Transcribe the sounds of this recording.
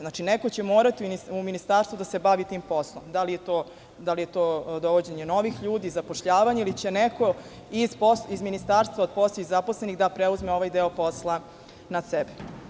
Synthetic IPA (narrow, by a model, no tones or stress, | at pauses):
znat͡ʃineko̞t͡ɕe̞moːɾat̪iuniuminist̪aːɾst̪vud̪ase̞baʋit̪iːmpo̞slˠomd̪alijet̪oː | d̪alijet̪oːd̪oʋod͡ʑe̞ɲe̞no̞ʋixʎuːd̪iːzapoʃʎaːʋaɲeilit͡ɕeneko | izposizminist̪aːɾst̪ʋaod̪̚posloizapo̞slˠeniɣd̪apɾeuzmeo̞ʋajd̪eopo̞slˠa | nasɛbe